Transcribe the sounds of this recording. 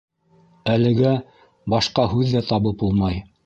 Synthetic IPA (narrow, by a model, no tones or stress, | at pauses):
ælɘ̆ɡæ | bɑʃqɑɦʉðːæt̪ɑβɤp̚ulˠmɑj